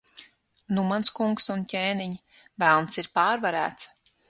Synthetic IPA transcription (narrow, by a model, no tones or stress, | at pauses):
numanskuŋksuncʲeːniɲ | vælˠnsiɾpaːɾvaɾæ̰ːt̪s